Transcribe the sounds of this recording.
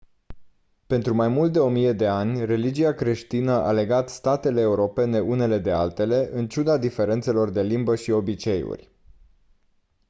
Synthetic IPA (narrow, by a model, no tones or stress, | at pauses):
pe̞nt̪ɾumajmult̪d̪e̞o̞mije̞d̪e̞anʲre̞lid͡ʒiakɾe̞ʃt̪inəʔa̰le̞ɡat̪st̪at̪e̞le̞ːuɾo̞pe̞ne̞une̞le̞d̪e̞alt̪e̞le̞ʔɨnt͡ʃud̪ad̪ife̞ɾe̞nt̪se̞lo̞rd̪e̞limbəʃio̞bit͡ʃe̞jṵrʲ